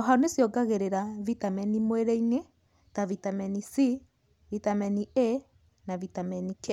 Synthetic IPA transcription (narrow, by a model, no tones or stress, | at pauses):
ɔɦaonesjɔɡaɣeɾeɾavitamɛnimweɾɛiŋe | tavitamɛnisi | vitamɛnie | navitamɛnikɛ